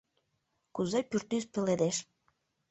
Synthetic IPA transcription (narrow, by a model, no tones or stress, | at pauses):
kuzepyrt̪yspĕled̪eʃ